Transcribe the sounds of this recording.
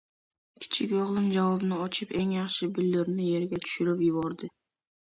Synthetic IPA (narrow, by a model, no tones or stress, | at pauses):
kʲʰi̥t͡ʃʰikʲoʁlˠɨnd͡ʒɑwobnɑot͡ʃʰɯpe̞ŋjɑχʃɨbylːyɾnyje̞ɾɡʲɛt̪ʰy̥ʃyɾypjuβoɾd̪ɨ